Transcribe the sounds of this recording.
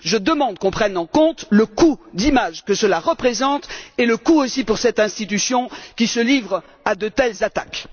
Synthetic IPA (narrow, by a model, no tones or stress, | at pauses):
ʒəd̪əmɑ̃d̪kɔ̃pχɛnɑ̃kɔ̃t̪ləkud̪imaʒkəsəlaʁəpχezɑ̃t̪eləkuosipuʁsɛt̪ɛ̃st̪it̪̬ysjɔ̃kʲisəlivʁ | ad̪ət̪ɛlzat̪ak